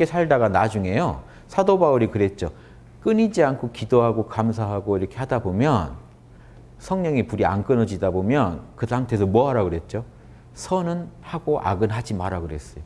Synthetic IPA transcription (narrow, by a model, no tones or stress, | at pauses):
k͈esʰaɭdaɡanad͡ʑuŋe̞jo | sʰadobauɾikɯɾe̞t̚t͡ɕ͈o | k͈ɯɲid͡ʑiankʰokidoɦaɡokams̬ʰaɦaɡoiɾʌkʰe̞hadabomjʌn | sʰʌŋɲʌŋipuɾia̰nk͈ɯnʌd͡ʑidabomjʌnkɯsʰamtʰe̞s̬ʰʌmwʌɦaɾaɡoɾe̞t̚t͡ɕ͈o | sʰʌnɯnhaɡoʔa̰ɡɯnɦad͡ʑimaɾaɡoɾe̞s͈ʌjo